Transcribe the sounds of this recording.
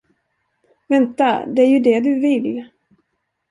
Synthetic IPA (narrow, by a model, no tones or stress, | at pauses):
vɛnt̪ad̪ɛæɾjɵd̪ɛd̪ɵvɪl